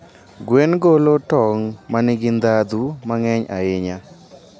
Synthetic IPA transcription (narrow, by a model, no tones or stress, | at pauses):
ɡwenɡolotɔŋmanɪɡɪnd̪ad̪umaŋɛɲa̰ɪɲa